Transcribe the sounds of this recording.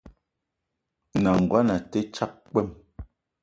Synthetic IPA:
na˨ŋ̩˨ɡwa˦na˨tɛ˦t͡ʃa˦k̚k͡pɛ˦˨m

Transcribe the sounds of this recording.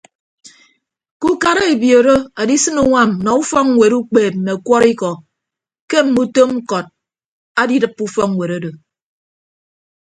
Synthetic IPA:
ku˦ka˦ɾa˦e˨bjo˨ɾo˦a˨di˦sɨ˦nu˦ŋʷa˦˨mnɔ˨u˦fɔ˦ŋŋ˦we˨ɾu˦k͡peː˨p̚m̩˨ne˨kwɔ˦ɾi˦kɔ˨ | ke˦m̩˨mu˦to˦m̩˦kɔ˨t̚ | a˦di˦dɨ˦pːu˦fɔ˦ŋ˨we˨ɾo˦do˨

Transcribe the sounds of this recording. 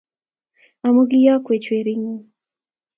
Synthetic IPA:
a˨mo˦ɡɪ˦ja˦kwe˨t͡ʃwe˨ɾi˦ŋo˦

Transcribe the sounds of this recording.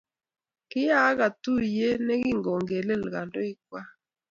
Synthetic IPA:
kɪ˦ja˦ka˨tu˦˨je˦nɛ˦ɡɪ˦˨ŋɡo˨ŋɡe˨le˦˨lɡa˨ndo˦ɪ˦k̚wa˦

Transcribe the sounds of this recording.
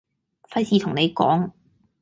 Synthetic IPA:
fɐ˥jsiː˧t̪ʰʊ˨˩ŋne˨˧jkɔ̰ː˨˥ŋ

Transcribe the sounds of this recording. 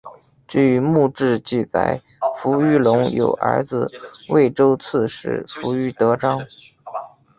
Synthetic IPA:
ʈ͡ʂɻ̩˥˩y˧˥mu˥˧ʈ͡ʂɻ̩˥˧t͡ɕi˥˩t͡sa̰˨˩ɪ | fu˧˥y˥˩lʊ˧˥ŋjo̰˨˩ʊʔə̰˞˧˥d͡zɹ̩˧we˥˩ɪʈ͡ʂo˥ʊt͡sʰɹ̩˥˧ʂɻ̩̰˥˩fu˧˥y˥˩t̪ɤ˧˥ʈ͡ʂɑ˥ŋ

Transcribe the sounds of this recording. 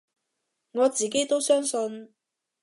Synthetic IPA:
ŋɔː˨˧t͡siː˨k̬e˥jt̪o˥wsœː˥ŋsɔ˧n

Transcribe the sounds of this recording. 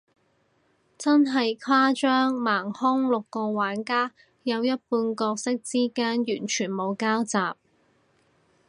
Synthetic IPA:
t͡sɐ˥nɦɐ˨jkʷʰaː˥t͡ʃœː˥ŋmaː˨˩ŋhʊ˥ŋlʊ˨kːɔː˧waː˨˥nkaː˥ | jɐ˨˧wjɐ˥t̚puː˧nkɔː˧k̚sɪ˥k̚t͡siː˥kaː˥njyː˨˩nt͡ʃʰyː˨˩nmo˨˧wkaː˥wt͡saː˨p̚

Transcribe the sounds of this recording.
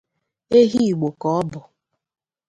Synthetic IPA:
e˦ɦi˦i˨ɡ͡bo˨kɔ˨ɔ˦bʊ˨

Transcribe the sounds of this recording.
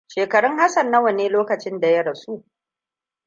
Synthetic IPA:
ʃeː˨kɐ˨ɽʊ˦ŋha˦sɐ˨nːɐ˦wɐ˨neː˦loː˦kɐ˨t͡ʃɪ˦nda˨jɐ˦ɽɐ˨su˦ʔ

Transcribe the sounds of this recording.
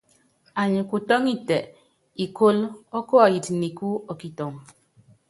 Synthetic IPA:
a˨ɲi˨ku˨tɔ˦ŋi˦˨tɛ˨ | i˨ko˦lɔ˦kɔ˦a˨ji˨tni˨ku˦ɔ˨ki˨tɔ˨ŋ

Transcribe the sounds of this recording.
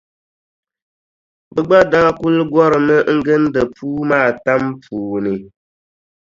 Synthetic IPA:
bɨ˦ɡ͡ba˦da˦ku˦lɨ˦ɡwɔ˦ɾɨ˨mɨ˦ŋ̩˦ɡɨ˦n˦dɨ˨puː˦maː˦˨ta˦mpuː˨nɨ˨

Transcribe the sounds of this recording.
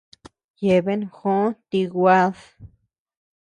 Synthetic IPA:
je˨βe˦nxõ˦t̪i˧ɣʷa˦ð

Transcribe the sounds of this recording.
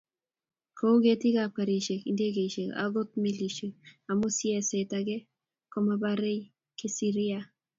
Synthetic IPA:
ko˦ɡe˦ti˦ɡa˨pa˨ɾi˨ʃe˨kḭ˨nde˦ɡe˨ʃe˨ka̰˨ɡo˦t̪̚mi˦li˨ʃi˨a˨mu˦sjɛ˦se˨taɡe˦ | kɔ˦maba˦ɾe˦j | kɪ˦si˦ɾɪ˦a˨

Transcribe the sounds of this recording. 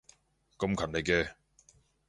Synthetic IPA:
kɐ˧mkʰɐ˨˩nle˨˧jkɛː˧

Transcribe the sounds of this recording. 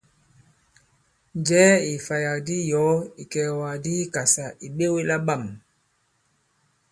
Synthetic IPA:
nd͡ʒɛː˨˦i˨fa˨ja˨di˦jɔ˨˦i˨kɛ˨wa˨di˦ka˨sa˨ʔi˨ɓe˦we˦la˦ɓa˦˨m

